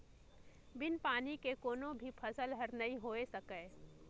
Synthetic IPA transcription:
bɪnpaːnikekoːnõbʱipʰɐsəlɦəɾnɐɦĩɦoːesɐkəː

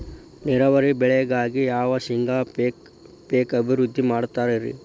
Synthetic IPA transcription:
niɾɐʋɐɾibɛɭɛjɐɡaːɡijaːʋɐsiŋɡʱaːpe | peːkɐbʱiɾud̪ʱːimaːɽt̪ːaːɾiɾḭ

